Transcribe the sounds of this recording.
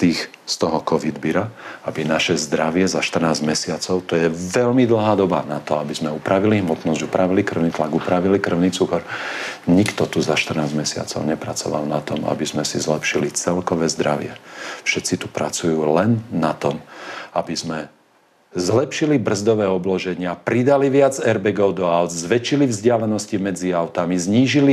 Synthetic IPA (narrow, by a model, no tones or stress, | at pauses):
t̪iːx | st̪ɔɦɔkɔʋid̪biɾaabinaʃɛzd̪ɾaʋɪɛzaʃt̪r̩naːzɟmɛsɪat͡sɔʊt̪ɔjɛʋɛʎmid̪l̩ɦaːd̪ɔba̰nat̪ɔabizmɛupɾaʋiliɦmɔt̪nɔzɟupɾaʋilikr̩ʊniːt̪laɡupɾaʋilikr̩ʊniːt͡sukɔɾɲikt̪ɔt̪uzaʃt̪r̩naːzmɛsɪa̰t͡sɔ̰ʊɲɛpɾat͡sɔʋa̰lnat̪ɔma̰bizmɛsizlɛpʃilit͡sɛlkɔʋɛːzd̪ɾaʋɪɛ̰fʃɛt̪t͡sit̪upɾa̰t͡sujuːlɛnːat̪ɔmabizmɛ | zlɛpʃilibr̩zd̪ɔʋɛːɔblɔʒɛɲɪapɾid̪aliʋɪad͡zɛɾbɛɡɔʊd̪ɔaʊzzʋɛt͡ʃilivzɟɪalɛnɔscimɛd͡ziaʊt̪amizɲiːʒili